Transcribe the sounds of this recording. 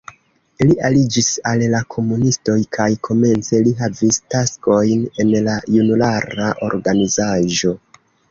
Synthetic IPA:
liʔalid͡ʒisallakʰo̞munisto̞jkʰajkʰo̞me̞nt͡se̞liɦavistasko̞jne̞nlajunulaɾaʔo̞̰ɾɡanizaʒo̞

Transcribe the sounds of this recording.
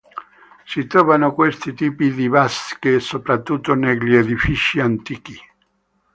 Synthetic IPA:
sit̪ɾɔvanokwest̪it̪iːpid̪iβaskesopɾat̪ːut̪ːoneʎeðifit͡ʃiant̪iːk̟i

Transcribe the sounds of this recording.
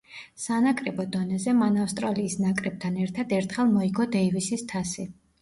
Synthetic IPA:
sanakʼɾɛbɔd̪ɔnɛzɛmanafst̪ʼɾaliːsnakʼɾɛb̥̚t̪ʰanɛɾt̪ʰad̪ɛɾt̪ʰχɛlˠmɔiɡɔd̪ɛivisist̪ʰasi

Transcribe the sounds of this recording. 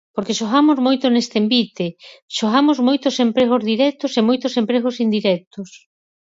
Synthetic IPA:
poɾkeʃoɣamozmojt̪onest̪embit̪eʃoɣamozmojt̪ʊsempɾeɣ̞ozðiɾɛk̚t̪ʊsemojt̪ʊsempɾeɣ̞osind̪iɾɛk̚t̪os

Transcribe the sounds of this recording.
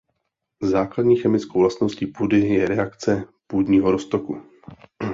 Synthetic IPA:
zaːkladɲiːxɛmɪt͡skowvlast̪nosciːpuːdɪjɛɾɛakt͡sɛpuːdɲiːɦoɾost̪oku

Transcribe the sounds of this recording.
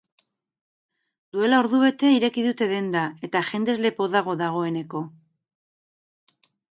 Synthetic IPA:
d̪ue̞lao̞ɾðuβe̞t̪e̞iɾe̞kiðut̪e̞ðe̞nd̪ae̞t̪aʝe̞nd̪e̞zle̞po̞ðaɣ̞o̞ðaɣ̞o̞e̞ne̞ko̞

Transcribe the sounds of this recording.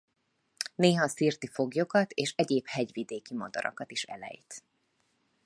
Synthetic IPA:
neːɦɒsiːrt̪ifo̞ɡjo̞kɒt̪eːʃɛɟeːphɛɟvid̪eːkimɒd̪ɒ̰ɾɒ̰kɒt̪iʃɛ̰lɛ̰jt̪

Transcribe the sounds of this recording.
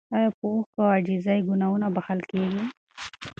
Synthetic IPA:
ajapoːxkaad͡ʒizaiɡʊnawunabahalkeɡi

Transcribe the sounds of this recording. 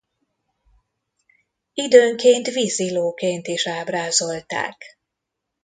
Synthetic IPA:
id̪øːŋkeːnt̪ʋiziloːkeːnt̪iʃaːbraːzo̞lt̪a̰ːk

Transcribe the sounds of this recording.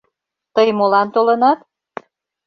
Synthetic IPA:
t̪əjmolɑnt̪olɤnɑt̪

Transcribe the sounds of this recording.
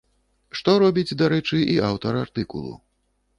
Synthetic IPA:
ʂt̪ɔɾɔbʲid͡zʲd̪aɾɛt͡ʂɨʔiawt̪ɐɾart̪ɨkṵlˠṵ

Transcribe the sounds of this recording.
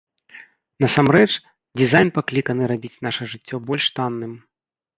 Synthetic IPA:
nɐsamɾɛt͡ʂ | d͡zʲizajnpaklʲikɐnɨɾabʲit͡sʲnaʂɐʐɨt͡sʲːɔbɔlʲʂt̪anːɨm

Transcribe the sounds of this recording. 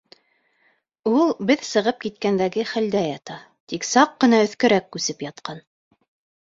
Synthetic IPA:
ulˠbɘðsɤ̆ʁɤp̚kit̪̚kænd̪æɡɘχæld̪æjɑt̪ɑ | t̪iksɑqːɤ̆nɑɵ̆θkɘ̆ɾækːʉsɘpjɑt̪qɑn

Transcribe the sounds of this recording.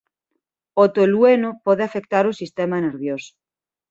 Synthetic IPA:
ot̪olwenopoðeafek̚t̪aɾosist̪emaneɾβjoso̥

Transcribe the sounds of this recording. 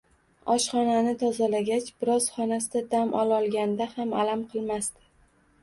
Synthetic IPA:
ɒʃχɒnanɪt̪ʰɒzalaɡʲat͡ʃbɪɾɒz̥χɒnasɪd̪ad̪amʔɒlɒlˠɡʲand̪ahamalamqʰɨlˠmast̪ɪ̥

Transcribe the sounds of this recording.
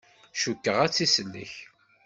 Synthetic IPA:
ʃukːəʁæt͡sːisəlːə̰ç

